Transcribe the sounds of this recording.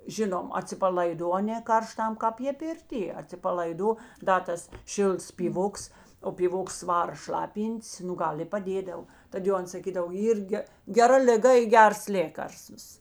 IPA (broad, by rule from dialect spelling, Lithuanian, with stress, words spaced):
ˈʒʲɪnoːm ɐtʲsʲɪpɐlˠɐɪˈdoː ˈɑːˌnʲeː ˈkɐrˌʃtɐm ˈkɑːp ˈjeː pʲɪrʲˈtʲiɛ ɐtʲsʲɪpɐlˠɐɪˈdoː ˈdɐ tɐs ˈʃʲɪlˠts pʲiːˈʋoːks oː pʲiːˈʋoːks ˈʋɑːrɐ ˈʃlˠɑːpʲiːnʲtʲs ˈnʊ ˈɡɐlˠ ɪ pɐˈdʲeːdɐw ˈtɐt jɛʊ ˈɐns sɐˈkʲiːdɐw ˈiːr ɡʲɛ ɡʲɛˈrɐ lʲɪˈɡɐ ɪ ˈɡʲɛrs ˈlʲeːkɐrstʋɐs